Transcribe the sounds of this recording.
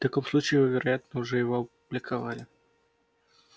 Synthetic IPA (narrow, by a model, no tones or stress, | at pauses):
ft̪ɐkomslˠut͡ɕɪːvəvʲɪɾʔɐjat̪nəʊʐɛjɪvoɐp̚ʊblʲɪkʰɐva̰lʲɪ